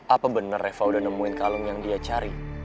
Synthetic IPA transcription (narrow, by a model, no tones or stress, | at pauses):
ʔapabənərɛfawdanəmuɪnkaləŋjaŋdiat͡ʃaɾi